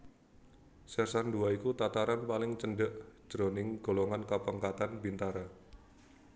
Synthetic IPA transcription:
sɛrsanduaikut̪at̪aɾanpalɪŋt͡ʃənɖəʔd͡ʒ̥ɾonɪŋɡ̥o̤lɔŋankəpəŋkat̪anbint̪aɾa

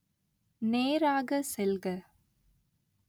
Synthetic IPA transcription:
neːɾaːɣɐsɛlɣɐ

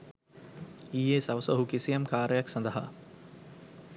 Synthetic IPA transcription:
iːeːsɐʋsɐɦukisijɐmkaːɾəjaksɐnd̪əɦa̰

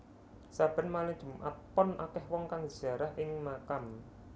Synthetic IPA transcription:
sab̥ə̤nmalɪŋ̥ʒ̥ṳmʔa̰t̪̚pɔnʔakɛhwɔŋkaŋ̥a̤ɾahʔɪŋmakam

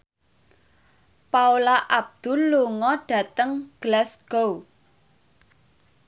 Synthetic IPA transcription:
paulaʔab̚d̪̥ʊ̤lːuŋɔɖ̥ä̤t̪əŋɡ̥lɛsɡ̥ow

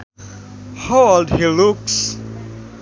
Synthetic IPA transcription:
holdhiluks

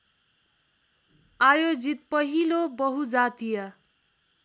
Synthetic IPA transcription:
ajod͡zit̪̚pʌɦilobʌɦud͡zat̪ijʌ

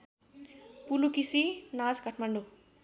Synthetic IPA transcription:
pulukisinad͡zɡʌʈʰmaɳɖu

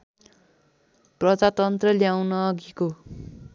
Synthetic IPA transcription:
prʌd͡zat̪ʌnt̪rʌljawnʌːɡiko

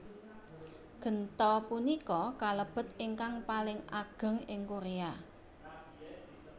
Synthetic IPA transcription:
ɡ̥ə̤nt̪ɔpunikɔkaləb̥ə̤t̪ɪŋkaŋpalɪŋʔaɡ̥ə̤ŋɪŋkuɾea

